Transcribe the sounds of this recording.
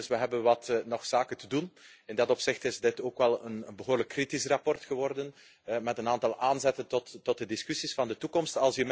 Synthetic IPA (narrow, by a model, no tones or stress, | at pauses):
sʋəɦɛbənʋɑtnɔxsaːkəntədunɪndɑtɔpsɪxtɪzdɪtoːkʋɛlˠənənbəɦoːrləkːritisrɑpɔrtxəʋɔrdən | mɛtənaːntɑlˠʔaːnzɛtəntɔtːɔt̚dədiskysisfɑndətukɔmstɑlˠsjəm